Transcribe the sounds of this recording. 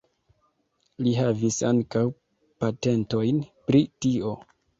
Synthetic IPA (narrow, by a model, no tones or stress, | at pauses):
liɦavisa̰ŋkaw | pate̞nto̞jnpɾitio̞